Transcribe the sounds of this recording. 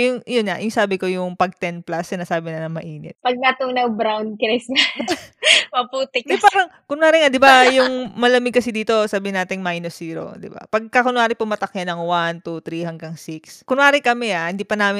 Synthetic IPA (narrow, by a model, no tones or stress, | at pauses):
jʊŋʔjonŋaʔjʊŋsaːbɪko̞jʊŋpɐɡ̚t̪ɛnplasɐnɐsaːbɪnɐnɐŋmɐʔiːnɛ̰t̪̚pɐɡ̚nɐt̪uŋnɐwbɾawnd̪̚kɾɛsɐ | mɐpuːt̪ɪkdɛpaːɾɐŋkʊnwaːɾɪŋad̪ɪbajʊŋmɐlɐmɪɡ̚kːɐsɪd̪iːt̪o̞saːbɪɪnaːt̪ɪŋmajnosiːɾo̰d̪ɪ̰ba̰pɐɡ̚kakʊnwaːɾɪpɐmɐt̪ɐkjɐnɐŋwant̪ut̪ɾihɐŋɡɐŋsikskʊnwaːɾɪkɐmɛahɪnd̪iːpɐnaːmɪn